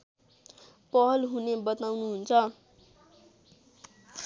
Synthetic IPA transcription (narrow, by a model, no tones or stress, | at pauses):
pʌɦʌlɦunebʌt̪awnuɦunt͡sʰʌ